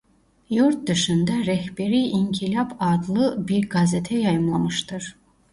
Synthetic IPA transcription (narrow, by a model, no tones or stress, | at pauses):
juɾt̪̚d̪yʃynd̪æɾɛhbeɾiiŋcʰilʲɑpʰɑd̪lˠɯbiɾɡɑzet̪ʰɛjɑjɯmlˠɑmɯʃt̪ɯɾ̥